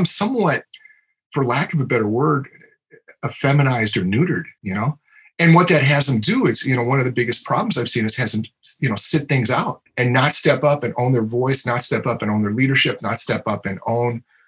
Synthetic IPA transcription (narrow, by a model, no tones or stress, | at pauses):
ɪ̃msʌ̃mwʌt̚ | fə˞lækʌvəbɛɾə˞wɜ˞d | əfɛmɨñaɪzdə˞nʉɾə˞d̥jɨñoʊ | ɨ̃nwʌt̪̚ðɨt̚ɦæzɨ̃n̩d̥ɨɪtzjɨnoʊwʌ̃nʌvðɨbɪɡɨspʰɹ̥ɑ̰blˠm̩zaɪv̥sĩnɨz̥hæzɨ̃n̩tjɨñoʊsɪt̪̚θɪ̃ŋzaʊt̚ɨ̃nːətstɛpʌpɨ̃nʔõʊ̃nðə˞vɔɪsnətstɛpʌpɨ̃nõʊ̃nðə˞liɾə˞ʃɪp̚nətstɛpʌpɨ̃nõʊ̃n